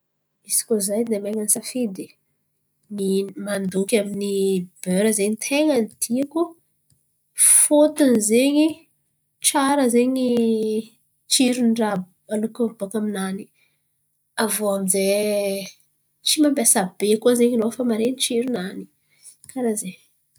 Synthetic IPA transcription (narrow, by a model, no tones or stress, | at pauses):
isi̥kʲuzajd̪emaŋanisafid̪i | nimand̪ukʲaminib̥øɾəzeɲit̪ʰeŋanit̪ʰiaku | fot̪inizeɲi | ʈ͡ʂaɾəzeɲi | t͡ʃiɾunɖ͡ʐa | alukub̥akaminani̥ | avoamize | t͡ʃimambasabekazeɲinofamaɾenit͡ʃiɾunani̥ | kaɾaze